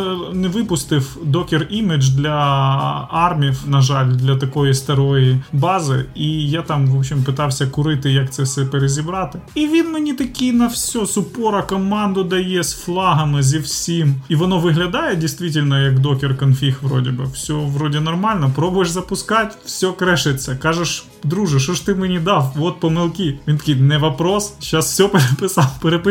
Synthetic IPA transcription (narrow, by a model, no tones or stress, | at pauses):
nɛʋɪpʊst̪ɪwd̪ɔkʲɪrimɪd͡ʒd̪lʲɐ | ɑrmʲiwnɐʒɑlʲd̪lʲɐt̪ɐkɔjist̪ɐɾɔjibɑzɪ̰ijat̪ɑmʋɔbɕʲɪmpɨt̪ɑwsʲɐkʊɾɪt̪ɪjɐk̚t̪sɛfsɛpeɾezʲibɾɑt̪ɪiʋʲinmenʲit̪ɐkʲijnɐwsʲɔsʊpɔɾɐkɔmɑnd̪ʊd̪ɐjɛsflˠɑɦɐmɪzʲiwsʲimiʋɔnɔʋɪɦlʲɐd̪ɑjɛdʲijst̪ʲʋʲitʲɪlʲnɔjɐkd̪ɔkʲɪrkɐnfʲixʋɾɔ̰dʲɪbɪwsʲɔʋɾɔdʲɪnɔrmɑlʲnɔpɾɔbʊjɛʒzɐpʊskɑtʲwsʲɔkɾɛʃɪt͡sʲːɐkɑʒeʃ | d̪ɾuʒɪʃɔʃt̪ɪmenʲid̪ɑwɔt̪̚pɔmɪlˠkʲiʋʲint̪ɐkʲijnɛʋɐpɾɔsʃɑsfsʲɔpeɾepɪsɑlpeɾepɪ